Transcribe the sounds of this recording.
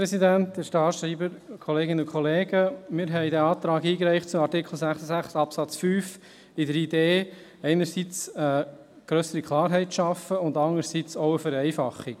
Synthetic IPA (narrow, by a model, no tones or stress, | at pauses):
ɾɛsidænt̪d̪̥ɛʃtɑːʃɾiːbəɾkʰɔleːɡɪnəʊkχɔleːɡəmɪɾɦɛɪdæɑːt̪ɾɑːɡiːkɾɛɪχt̚t͡sʊmɑɾtɪkʰl̩ˠsæχsəsæχsɑpsɑt͡sfyːf | ɪdəɾideː | ɛɪnəɾsit͡sə | ɡ̥ɾœsəɾikʰlɑːɾɦɛɪtʃɑfəʊndɑŋəɾsit͡sɔʊəfəɾɛɪfɑχːik